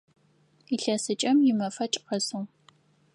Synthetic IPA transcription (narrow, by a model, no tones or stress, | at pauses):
iɬɐsɨt͡ʃʼɐmjɪmɐfɐt͡ʃʼqɐsu